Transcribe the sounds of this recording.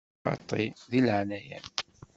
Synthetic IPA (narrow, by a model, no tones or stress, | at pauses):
ɑ̰t̪ˤːiðilʕanæjæ̰n